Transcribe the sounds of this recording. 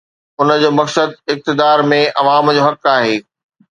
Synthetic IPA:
ʊnəd͡ʑoːmɐksəd̪̚ɪk̚t̪ɪd̪aːɾmẽʔɐʋaːmd͡ʑoːɦɐkaːɦeː

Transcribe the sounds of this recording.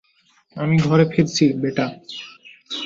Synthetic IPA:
amiɡʱɔɾefeɾt͡ɕʰibeʈa

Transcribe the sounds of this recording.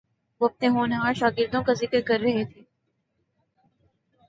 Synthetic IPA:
ʋoːɐp̚neɦoːnɦãːʃaːɡɪɾd̪õkazɪkəɾkɐɾːɐɦet̪ʰeː

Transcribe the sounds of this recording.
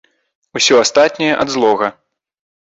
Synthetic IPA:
usʲɔast̪at̪̚ʲnʲɛjɛʔɐd̪zlˠɔɣɐ

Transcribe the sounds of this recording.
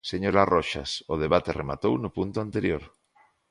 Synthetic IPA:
seɲoɾarʔɔʃa̰soð̞eβat̪erema̰t̪ownʊpunt̪ʊant̪eɾjoɾ

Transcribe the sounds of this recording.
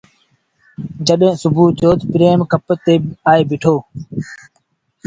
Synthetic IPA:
d͡ʒəɗẽːsʊbuːt̪joːt̪pɾeːmkəpət̪eːaːeːbɪʈʰoː

